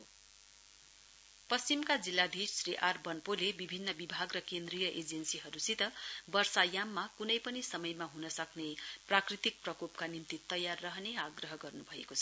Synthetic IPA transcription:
pʌst͡simkad͡zilːad̪ʱisriʔarbʌnpolebibʱinːʌbibʱaɡrʌkend̪rijʌʔed͡zensiɦʌɾusit̪ʌbʌrsajamːakunʌjpʌnisʌmʌjmaɦunʌsʌkneprakrit̪ik̚prʌkopkanint̪it̪ʌjarːʌɦneaɡrʌɦʌɡʌrnubʱʌḛkot͡sʰʌ̥

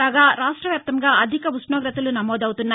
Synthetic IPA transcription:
aːɡaːɾaːʂʈɾɐʋjaːp̚t̪ɐmɡaːʔɐd̪ʱikɐʋusnoːɡɾɐt̪ɐlunɐmɔːd̪ɐwut̪unːaː

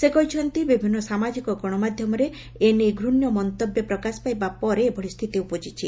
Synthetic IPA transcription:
sekɔɦit͡ʃʰɔnt̪ibibʱinːɔsamad͡ʒikɔɡɔɽ̃ɔmad̪ʱjɔmɔɾe | eneɡʱɾunjɔmɔnt̪objɔpɾɔkasɔ̥pajbapɔɾeːbɔɽist̪ʰit̪iupɔd͡ʒit͡ʃʰi

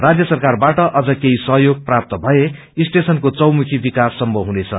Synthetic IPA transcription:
rad͡zjʌsʌrkarbaʈʌʔʌd͡zʌkeɦisʌɦjoɡ̚prap̚t̪ʌbʱʌe | isʈesʌnkot͡sʌwmukʰibikasːʌmbʱʌɦunet͡sʰʌ̰

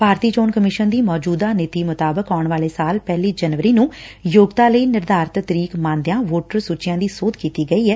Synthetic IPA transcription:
paːɾt̪iːd͡ʒoːnkəmɪʃənd̪iːmɔːd͡ʒuːd̪aːnɪt̪iːmʊt̪aːbəkɔːʊɳʋaːleːsaːlpɛːliːd͡ʒənʋəɾiːnũːjoːɡt̪aːləiːnɪɾd̪aːɾt̪t̪əɾiːkmãːnd̪ejãːʋoːʈəɾsuːt͡ʃɪjãːd̪iːsoːt̪kiːt̪iːɡəiːɦɛː

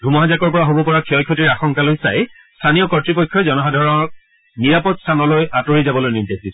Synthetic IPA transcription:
dʱumɔɦazakɔɹpɔɹaɦobɔpɔɹakʰiɔjkʰːɔtiɹaxɔŋkalojsa̰j | stʰanijɔkɔtɹipɔkʰːɔɛzɔnɔɦadʱɔɹɔɔk̚ | niɹapɔtstʰanɔlojʔatoɹizabɔlojnintasit

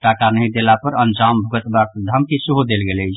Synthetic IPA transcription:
ʈakanəɦĩd̪elapəɾənd͡ʒambʱuɡət̪bakd̪ʱəmkisuɦud̪elɡelət͡ʃ

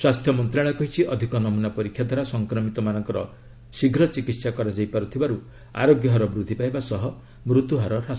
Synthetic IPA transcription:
swast̪ʰjɔmɔnt̪ɾaɭɔkɔɦit͡ʃʰiʔɔd̪ʱikɔnɔmunapɔɾikʰjad̪ʱaɾasɔŋkɾɔmit̪ɔmanɔŋkɔɾɔ̰ | siɡɾɔt͡ʃikit̪sakɔɾad͡ʒajpaɾut̪ʰibaɾu | a̰ɾoɡjɔɦɔɾɔbɾud̪ʱːipajbasɔɦɔ | mɾut̪uɦaɾɔɾas

